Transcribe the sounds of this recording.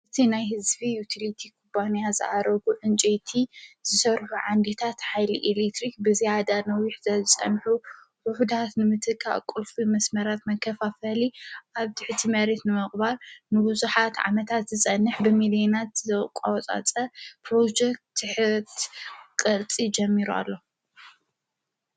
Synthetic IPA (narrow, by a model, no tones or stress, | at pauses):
ʔɨt̪ʰinajɦɨzbijut̪ʰilit̪ʰikʰubanijazɨʔaɾɐɡuʕɨnt͡ʃʼet̪ʰiz̥ɨsɐɾħuʕand̪et̪ʰat̪ħajliʔelekt̪ɾik̚bɨzijad̪anɐwiħz̥ɐzɨsʼɐ̰nħu | ʔʊħud̪at̪nɨmɨt̪ʰɨkʰːa̰kʼʊlfʼimɐsmɐɾat̪mɐkʰːɐfafɐliʔaβt̪ʰɨħɨt̪ʰimɐɾe̞t̪nɨmɨχʼbaɾnɨbuzuħat̪ʕa̰mɐt̪ʰat̪zɨt͡sʼɐnːɨħbɨmilionat̪zɐkʼa̰wt͡sʼa̰t͡sʼɐpʰɾod͡ʒek̚t̪ːɨħɨt̪ʰkʼɨɾt͡sʼid͡ʒɐmːiɾua̰lːo̞